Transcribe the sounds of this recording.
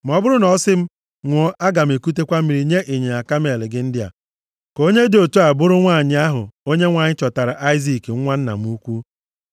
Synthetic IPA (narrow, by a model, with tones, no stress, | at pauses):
m̩˨ɔ˦bʊ˦ɾʊ˦nɔ˨˦sɪ˦m̩˦ | ŋʷɔ˦ʔa˦ɡa˨m̩˨e˨ku˦te˦kʷa˦m̩˦i˨ɾi˨ɲe˦ʔi˨ɲe˨a˨ka˦m˦e˨lɪ˨ɡɪ˦n̩˦dɪ˦a̰˨ | ko˦ɲe˦do˨tu˦a˨bʊ˦ɾʊ˦ŋʷaː˦˨ɲɪ˦a˦ɦʊ̰˨o˦ɲe˦ŋʷaː˨ɲɪ˦t͡ʃɔ˨ta˨ɾa˨ʔa˦ɪ˦zi˨kŋ˦ŋʷa˦n̩˦na̰˨m̩˦u˦kʷu˦